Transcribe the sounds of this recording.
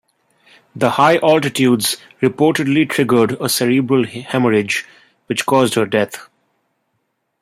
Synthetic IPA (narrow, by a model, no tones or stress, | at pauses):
d̪əhaɪʔɔlʈɪʈʰjuːɖz̥ | ɾɪpoːʈɪɖliʈʰɾɪɡə˞ɖəsɛɾibɾəlhɛməɾɪd͡ʒ | ʋɪt͡ʃkɔːzdhəɾɖɛt̪ʰ